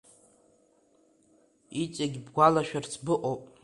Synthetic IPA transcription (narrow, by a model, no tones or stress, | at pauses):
it͡ʃʼaɡʲbɡʷalaʃᶣart͡sʰbɨʔʼowpʼ